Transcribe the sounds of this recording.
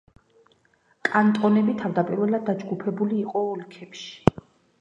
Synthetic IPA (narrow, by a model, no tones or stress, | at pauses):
kʼant̪ʼɔnɛbit̪ʰavd̪apʼiɾvɛlad̪ːad͡ʒɡupʰɛbuliːqʼɔɔlkʰɛpʃi̥